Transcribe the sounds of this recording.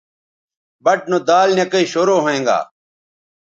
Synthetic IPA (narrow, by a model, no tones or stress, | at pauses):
bɐʈ̚nod̪aːlnekɐiːɕoːɾoːɦoẽːŋɡa̰ː